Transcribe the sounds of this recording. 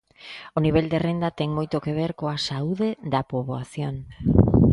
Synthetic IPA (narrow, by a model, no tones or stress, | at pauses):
oniβeld̪erend̪ɐt̪ɛŋmojt̪okeβ̞eɾkoasauðeðɐpoβoaθjoŋ